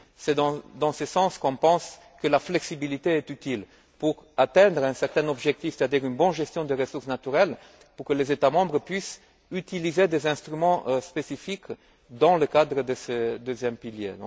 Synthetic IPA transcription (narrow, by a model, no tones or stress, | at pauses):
sɛd̪ɑ̃d̪ɑ̃səsɑ̃skɔ̃pɑ̃s | kəlaflɛksibilit̪eɛt̪yt̪il | puʁat̪ɛ̃d̪ʁɛ̃sɛʁt̪ɛ̃nɔbʒɛk̚t̪ifset̪ad̪iʁynbɔ̃nʒɛst̪jɔ̃d̪əʁəsuʁsnat̪yʁɛl | puʁkəlezet̪amɑ̃bʁəpɥis | yt̪ilized̪ezɛ̃st̪ʁymɑ̃ʔspesifik | d̪ɑ̃ləkad̪ʁəd̪əsəd̪øzjɛmpiljḛ̃